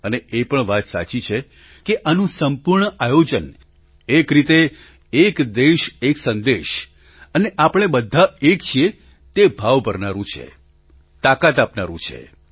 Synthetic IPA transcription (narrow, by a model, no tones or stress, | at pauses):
əneepəɳʋat̪sa̰t͡ʃit͡ʃʰe | keʔanũsəmpuɾɳəajod͡ʒən | ekɾit̪eː | kd̪eʃeksə̃nd̪eʃ | əneʔapəɽ̃ebəd̪ʱːaekt͡ʃʰie | t̪ebʱaʋbʱəɾnaɾũt͡ʃʰḛ | t̪akat̪̬apnaɾũt͡ʃʰḛ